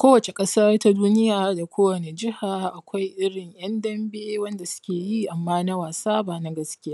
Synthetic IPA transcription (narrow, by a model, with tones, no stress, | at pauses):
kʷoː˦wɐ˨t͡ʃe˨kʼɐ˦sɐ˦rta˦duː˦nɪ˦jaː˨da˨kʷoː˦wɐ˨ne˨d͡ʒɪ˦haː˨ʔa˨kʷa˦jʔɪ˦ɽɪ˨ŋj̰ɐ˦ndɐ˦mbeː˦wɐ˦nda˨sʊ̥˦kʲeː˨ji˦ʔa˨mːaː˦na˦waː˨saː˦baː˨na˦ɡɐ˦skʲɪ˦jaː˦